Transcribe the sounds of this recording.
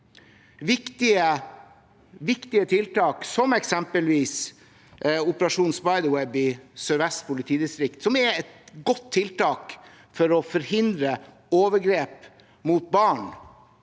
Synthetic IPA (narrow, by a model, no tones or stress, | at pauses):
ʋɪkt̪ɪə | ʋɪkt̪ɪət̪ʰɪlt̪ɑːksɔmɛksɛmpəlʋiːs | ʊpəɾɑʂuːnspɑɪd̪əwɛbɪsøɾʋɛst̪pʰʊlɪt̪ʰiːd̪ɪst̪ɾɪkt̪sɔmɛɾɛt̪ɡɔt̪ʰːɪlt̪ʰɑːk | fɔɾɔfɔɾhɪnd̪ɾə | oːʋəɾɡɾeːp | mut̪̚bɑːɳ